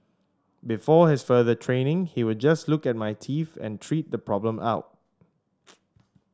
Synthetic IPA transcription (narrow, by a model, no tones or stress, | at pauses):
bifɔhɪsfəðətʰɹẽnɪ̃ŋhiwɪdd͡ʒaslʊkɛt̚majtʰifɛ̰̃ntʰɹit̚dəpʰɹɔblə̃ma̰ʊt̚